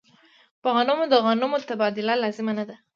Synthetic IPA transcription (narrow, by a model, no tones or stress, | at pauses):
pəɣanumod̪əɣanumot̪abɑd̪ɪlalɑzɪmanad̪a